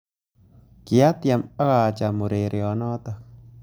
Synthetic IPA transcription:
ki˨a˦tja˨ma˦ɣa˨t͡ʃa˨mo˨ɾe˨ɾʔjɔ˨nɔ˦ta˦k

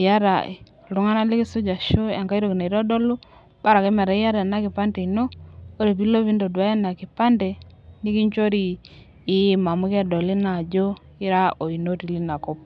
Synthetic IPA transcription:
ja˦ɾa̰˨ | lu˨˦ŋa˦na˦li˦kɪ˦sʊ˦d͡ʒa˨ʃo˦a˨ŋka˦i˦ɾo˨ki˨na˨i˨ɾɔ˦dɔ˦lu˦ | ba˦ɾa˨ke˦mɛ˨ɾa˨i˦ja˦ɾa˨na˦kɪ˨pa˦ndɛ˨i˨no˦o˦ɾe˨pi˦lo˦βi˦ndo˨dwa˦a˦na˨kɪ˨pa˦ndɛ˨ | ni˦ki˦ɲt͡ʃo˦ɾi˦˨ | ɪ˦ma˨mu˦kɛ˦dɔ˨li˦na˨d͡ʒo˦ | i˦ɾa˦o˨i˨no˦ti˨li˦na˨ko˦p̚

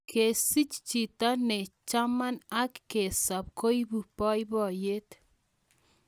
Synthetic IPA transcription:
kʰe˨si˦t͡ʃt͡ʃi˨t̪a˦ne˨t͡ʃama˦na˦kːe˨sa˨p̚ko˦jbu˨pɔ˦jbɔ˨je˦t̪

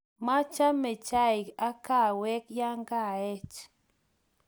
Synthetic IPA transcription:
ma˦t͡ʃa˦me˨t͡ʃa˦ɪ˨ka˦ka˦˨wɛ˦kja˦ŋka˦˨ɛ˦t͡ʃ

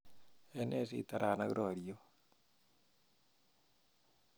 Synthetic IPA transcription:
e˦ne˦sḭ˦ta˨ɾa˨na˦ɣɾo˨ɾio˦

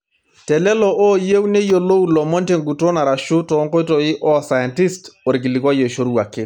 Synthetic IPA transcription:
tɛ˨lɛ˦lɔ˦ʔɔ˦je˦wne˦jo˨lo˦ulɔ˨mɔ˦nte˨ŋɡu˨to˦na˨ɾa˨ʃʊ˦tɔ˨˦ŋko˦jtɔɪ˦ʔɔ˦sa˨jɛ˨nti˦sto˨ɾɪ˨k̬ɪ˨lɪ˨kwa˦jɔ˨ʃo˦ɾu˦wa˨kɪ˦

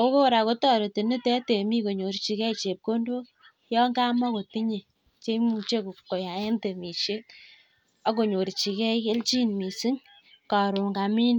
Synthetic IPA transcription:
o˦ko˦˨ɾa˨ko˦tɔ˦˨ɾe˨ti˨ni˦tɛ˦te˨mi˦ko˨ɲo˨ɾt͡ʃi˨kɛ˦i˨t͡ʃe˨p̚ko˦ndo˦ | jɔ˦ŋɡa˦mɔ˦ko˨ti˦ɲe˨ | t͡ʃe˦mu˨t͡ʃe˦ku˨kːo˨ja˨e˦nte˨mi˨ʃe˦t | a˦k̬o˨ɲo˨ɾt͡ʃi˨kɛ˦ke˦lt͡ʃi˦nmi˨si˦ŋ | ka˨ɾu˨ŋɡa˨mi˦n

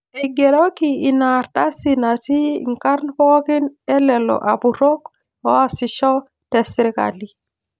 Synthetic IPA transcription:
ɛɡe˨ɾokii˨na˨ɾɗa˦si˨na˨tḭ˦ŋka˦ɾnpoki˦nɛ˦lɛ˨lɔ̰ʔapuɾo˦k | ɔ˦a˨si˨ʃɔ˦ | tɛ˨siɾika̰li˨

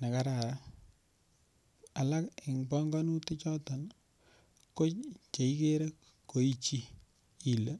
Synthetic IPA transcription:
na˨ka˨ɾa˨ɾa˦ | a˨la˦kɪ˨ŋbɔ˦ŋɡa˦nu˦te˦t͡ʃɔ˦ta˨n | ko˦t͡ʃe˨i˦ke˦ɾe˦ | ko˨i˦t͡ʃi˦ | i˨lə˦

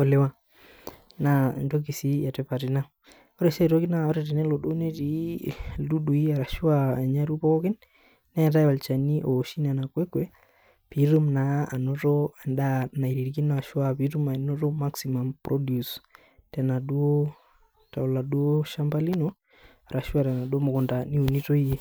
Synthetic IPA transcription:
ɔ˨le˦wa˨ | na˨ndo˦k̬i˨si˦ja˨tɛ˦pa˨ti˨na˦ | ɔ˦ɾɛ˨sɛ˦˨to˦ki˦na˦ɔ˦ɾɛ˨tɛ˨nɛ˦lɔ˨do˦ne˦ti˨ | du˦ɗu˨i˦a˨ɾa˨ʃu˦a˦ɛ˨ɲa˦ɾu˦pɔ˦kɔ˦kɪ˦nː | ɛ˦ja˨t̬a˦jwa˨lt͡ʃa˨ni˦ʔɔ˨ʃi˦na˨na˨kwɛ˦kwɛ˨ | pi˨ɾu˦mna˨a˨no˦to˦a˨nda˦na˨i˨ɾi˨ɾki˦n˦˨a˨ʃwapi˦ɾu˦ma˨no˦to˦ma˦ksima˨mpɾʔɔ˦dju˨s | tɛ˨na˨du˦o˦ | ta˨o˨la˨du˦o˦ʃa˦mba˦li˦no˨ | a˨ɾa˨ʃu˦a˨tɛ˨na˨do˦mo˨kɔ˨nda˨ni˦u˨ni˦to˦i˦je˦

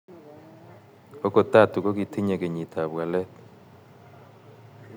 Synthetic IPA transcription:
o˦ko˨ta˦˨tu˨ko˦ki˨t̪ʰi˦ɲe˨ke˨ɲi˨t̪ʰa˨βwa˨lɛ˦t̪

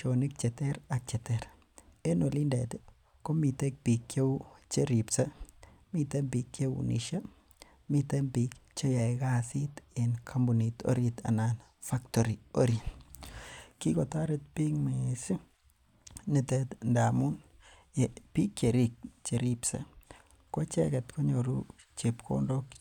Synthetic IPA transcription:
t͡ʃo˨nɪ˦k̚t͡ʃɛ˨tɛ˦ɾa˨k̚t͡ʃe˨te˦ɾ | e˦no˨li˦ndɛ˨tɪ˦ | ko˦mi˨te˦k̚pi˨kje˦wt͡ʃe˦ɾi˨psa˦mi˨t̪e˦bi˨kje˦wṵnʔḭ˨ʃa˦ | mi˦t̪e˦mbi˨kt͡ʃe˦ja˨jɡa˦si˦t̪e˨nkʰa˦mbʊ˨ni˨t̪o̰˦ɾi˨t̪a̰˨na˨n | fa˦kt̪o˨ɾi˨o˦ɾi˨ | ki˦ko˨t̪a˦ɾe˧t̪̚pi˦ŋme˨si˦ | ni˧t̪ɛ˧t̪nda˨mu˦n | e˨pi˦ke˨ɾi˦˧k̚t͡ʃe˨ɾi˧psa̰˨ | ko˦t͡ʃɛ˦ɡe˨t̪ko˦ɲo˨ɾṵ˦ | t͡ʃe˨pkʰo̰˦nɾo˦k

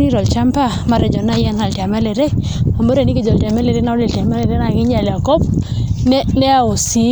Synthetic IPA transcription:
ni˦ɾɔ˨lt͡ʃa˦mpa˦ | ma˨ɾɛ˨d͡ʒɔ˨na˦jɛ˦nha˨lta˨mɛ˦lɛ˨ɾe˦ | a˨mbɔ˦ɾe˨ni˦ke˦d͡ʒɔ˨lta˨mɛ˦le˨ɾe˦na˦o˦li˨lti˨a˨ma˦lɛ˨ɾe˦na˨ɡɪ˦ɲ˦a˨la˨kɔ˦p | nɛ˦nɛ˦a˨o˨si˨

